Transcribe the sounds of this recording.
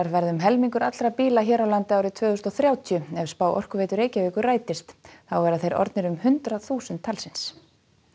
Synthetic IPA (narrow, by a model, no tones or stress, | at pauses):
aɾvɛɾðʏmɦɛlmiŋkʏɾat̪lɾapiːlaçɛːɾawlant̪ɪaːwɾɪt̪ʰvœːɣʏst̪ɔθɾjaːwt̪ʰijʏɛv̥spaːwʔɔ̰r̥kʏveːjt̪ʏɾeːjcaviːkʏraːjt̪ɪst̪θawvɛːɾaθejɾɔ̰ɾt̪nɪɾʏmhʏnt̪ɾaθuːsʏnt̪ʰːalsɪns